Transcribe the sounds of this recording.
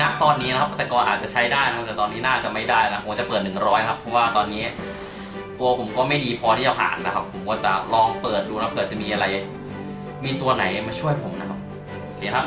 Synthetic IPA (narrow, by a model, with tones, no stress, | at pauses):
na˦˥ʔt̪ɔː˧nːiː˦˥a˦˥kʰa˦˥p̚t̪ɛː˨˩kɔː˧nʔaː˨˩t̪t͡ɕa˨˩t͡ɕʰa˦˥jdaː˥˩jna˦kʰa˦˥t̪ɛ˨˩t̪ɔː˧nːiː˦˥naː˥˩t͡ɕa˨˩ma˥˩jdaː˥˩jna˧˥a˥pʰːt͡ɕa˨˩pɤː˨˩t̪̚nɯ˨˩ŋɾɔː˦˥jna˦kʰa˦˥pʰːɾɔ˦˥waː˥˩t̪ɔː˧nːiː˦˥ | t̪u˧ɐpʰo˩˦mkɔː˥˩ma˥˩jdiː˧pʰɔː˧iː˥˩t͡ɕa˧˩pʰa̰ː˨˩nːa˦˥kʰa˦˥pʰːo˩˦mkɔː˥˩t͡ɕa̰˨˩lɔː˧ŋpɤː˨˩t̪̚duː˧nʰ˧˦a˥pkɤː˨˩t̪̚t͡ɕa˨˩miː˧ʔa˧ɾa˧j | miː˧t̪u˧ɐna˩˦ja˨˩ma˥˩t͡ɕʰu˥˩əjpʰo˩˦mna˦˥kʰa˦˥p̚ | sʰi˨˩˦nʰa˧˥p